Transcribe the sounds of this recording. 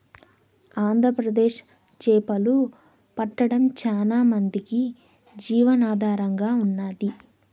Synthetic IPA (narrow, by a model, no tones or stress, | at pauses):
aːnd̪ʱɾɐpɾɐd̪eːʃ | t͡ʃɛːpɐlu | pɐʈːɐɽɐmt͡ʃaːlaːmɐnd̪iki | d͡ʒiːʋɐnaːd̪ʱaːɾɐŋɡaːunːaːd̪i